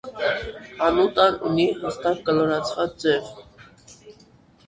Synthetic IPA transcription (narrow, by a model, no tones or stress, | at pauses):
ɑnut̪ɑnṵniɦəst̪ɑk̚kəlɔɾɑt͡sʰvɑt͡sd͡zɛv